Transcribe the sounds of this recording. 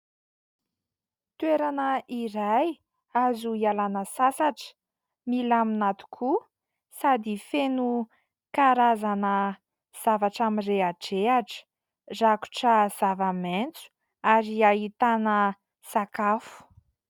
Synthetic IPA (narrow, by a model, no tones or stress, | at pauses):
t̪ueɾanəʔiɾaj | azuialanəsasaʈ͡ʂə̥ | milaminat̪u̥kʰu | sad̪ifenu | kaɾazanə | z̥avaʈ͡ʂamireaʈ͡ʂeaʈ͡ʂə̥ | zaku̥ʈ͡ʂəz̥avament͡su̥ | aɾiaɦit̪anə | sakafu̥